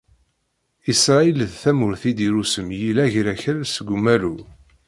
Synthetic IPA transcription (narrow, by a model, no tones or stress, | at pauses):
isɾˤɑilðθæmʊɾθid̪iɾusəmjilæʝɾæçælsəɡʷːumːælu